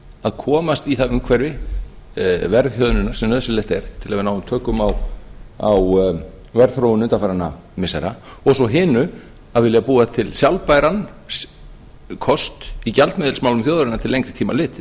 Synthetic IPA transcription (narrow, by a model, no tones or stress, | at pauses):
aðkʰɔːmast̪iθavʏmkʰvɛɾvɪ | vɛɾðçjœðnʏnḁsɛmnœðsɪlɛht̪ɛɾ̥t̪ʰɪlavɪnaːwʏmt̪ʰœːkʏmawaw | vɛɾðθɾoːwɪnʏt̪ʰafaɾanːa | mɪsajɾa | ɔsɔɦɪːnʏ | aðvɪljapuːat̪ʰɪlsjawlpajɾan | s | kʰɔst̪icalt̪mɪːðɪlsmawlʏmθjowðʏɾɪnaɾt̪ʰɪlejŋkɾɪ̥t̪ʰiːmalɪːt̪ɪ